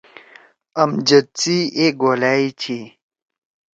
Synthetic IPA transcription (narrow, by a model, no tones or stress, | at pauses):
ɐmd͡ʑɐt͡sieɡoːlaːit͡ɕʰi